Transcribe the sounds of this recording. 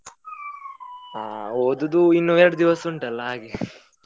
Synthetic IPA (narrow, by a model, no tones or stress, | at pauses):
oːd̪ud̪uinːujeɾɐɽud̪iʋɐsuɳʈɐlːɐɦaːɡe